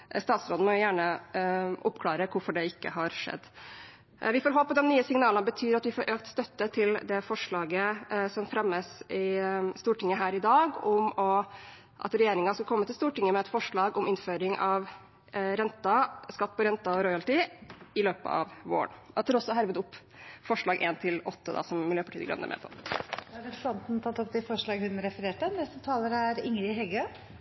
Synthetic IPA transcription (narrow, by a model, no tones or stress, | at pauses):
st̪ɑːt̪sɾoːd̪n̩mɔjʊjæːɳə | ʔʊpkʰlɑːɾəkʰʊɾfɔɖɛɪkːə̰ɦɑɾʂɛ̰d̪ː | ʋɪfoːɾɦoːppʰːɔd̪ɛmnyːəsɪŋnɑːlənbət̪ʰyːɾɑt̪ʋɪfoːɾʔøːk̚t̪st̪œt̪ːət̪ʰɪld̪ɛfɔʂɭɑːɡəsɔmfɾɛməsɪst̪uːʈɪŋːəɦæːɾɪd̪ɑːɡʊmɔ | ʔɑ̰t̪ɾɛjeːɾɪŋɑskɑlkʰɔmːət̪ɪlst̪uːʈɪŋːəmɛɛt̪fɔʂɭɑːɡʊmɪnføːɾɪŋʔɑʋ | ɾɛnt̪ɑskɑt̪ːpɔɾɛnt̪ɑɔɾɔʏɑlt̪ɪɪløːpə̰ɑ̰ʋʋo̰ːə̰ɳɑt̪ʰːæɾɔsːɔɦæɾʋəd̪ʊpː | fɔʂɭɑːɡʔḛːnt̪ʰɪlɔt̪ːəd̪ɑ̰sɔmːɪljøːpɑʈʰiːdəɡɾɑ̰nːə̰ɾmʔɛ̰ːpʰɔ̰æɾɛɑnt̪n̩t̪ʰɑt̪ːɔp̪ɪfɔʂɭɑːɡhʉnɾɛfəɾeːʈənɛst̪ət̪ʰɑːləɾəæɾɪŋɾɪɦɛlɡø